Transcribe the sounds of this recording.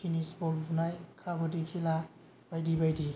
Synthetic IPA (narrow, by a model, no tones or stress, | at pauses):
kʰinisbɔlbunajkʰabɯdikʰela | b̥ajdibajdi